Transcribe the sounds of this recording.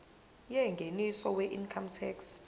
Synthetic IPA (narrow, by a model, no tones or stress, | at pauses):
jɛŋɡʱenisɔwɛʔinkʰamtʰɛks